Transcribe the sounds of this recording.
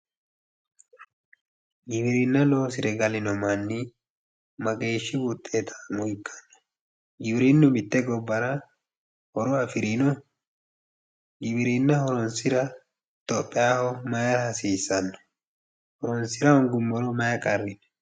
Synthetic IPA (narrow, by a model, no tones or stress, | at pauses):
ɡɪbɪɾɪnːɐlo̞ːsɪɾɛɡɐlɪnɔmɐnːi | mɐɡe̞ːʃːɪwʊt̪ʼːeːt̪ʰɐ̥mʊɪkʰːɐ̥nːɔ̥ | ɡɪbɪɾɪnːʊmɪt̪ːɛɡɔbːɐɾɐ | hɔɾɔɐfɪɾɪnɔ | ɡɪbɪɾɪnːɐhɔɾɔnsɪɾɐ | t̪ɔpʼːɪaːhɔmɐjɐɾhɐsiːsːɐnːɔ̥ | hɔɾɔnsɪɾɐɔŋɡʊmːɔɾɔmɐjɐkʼɐrːɪn